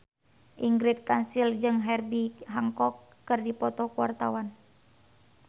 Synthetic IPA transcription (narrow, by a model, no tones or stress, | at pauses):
ʔiŋɡɾit̪̚kansild͡ʒɨŋɦɛrbiɦaŋkɔkːɨrdipɔt̪ɔkuwart̪awan